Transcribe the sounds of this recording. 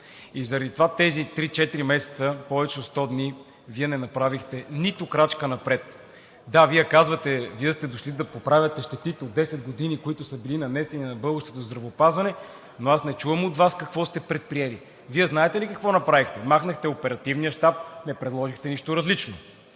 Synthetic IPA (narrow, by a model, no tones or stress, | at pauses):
izəɾɐd̪it̪ovat̪ɛzit̪ɾit͡ʃɛt̪iɾimɛsɛ̥t̪səpɔvɛt͡ʃɛotst̪ɔd̪ni | viɛnɛnɐpɾavixt̪ɛnit̪okɾat͡ʃkənɐpɾɛt̪ | d̪aviɛkazvət̪ɛviɛst̪ɛd̪oʃlid̪ɐpopɾavʲət̪ɛʃt̪ɛt̪it̪ɛod̪ːɛsɛd̪ɡod̪inikoit̪ʊsəbilinɐnɛsɛninɐbɤlˠɡəʃt̪ot̪ozd̪ɾɐvopazvɐnɛ | noasnɛt͡ʃuvəmot̪vaskɐkvɔst̪ɛpɾɛt̪̚pɾijɛli | viɛznaɛt̪ɛlikɐkvɔnɐpɾavixt̪ɛmaxnəxt̪ɛopɛɾɐt̪ivnijəʃt̪ap̚nɛpɾɛd̪lˠɔʒixt̪ɛniʃt̪ʊɾɐzlit͡ʃno